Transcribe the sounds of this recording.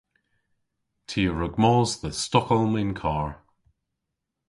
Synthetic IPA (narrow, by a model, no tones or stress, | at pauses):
tʰiːɹʊɡmɔːzðəstɔkɔlˠmɪnkʰaːɹ